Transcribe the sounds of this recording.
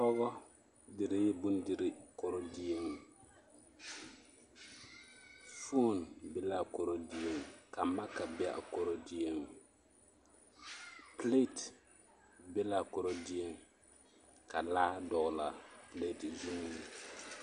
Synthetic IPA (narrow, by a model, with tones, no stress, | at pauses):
ɔ˦ɣɔ˦ | dɪ˨ɾɪ˦jɛ˦bu˦ndi˨ɾi˨ko˨ɾo˨di˦e˦ŋ | fo˦nbɪ˦la˦ko˨ɾo˨di˦e˦ŋka˨ma˦ka˨bɪ˦a̰˦˨ʔko˨ɾo˨di˦e˦ŋ | ple˦t | bɪ˦la˨kɔ˨ɾo˨di˦e˦ŋ | ka˨laː˦dɔ˨la˨ple˦˨tzu˦m˨n˨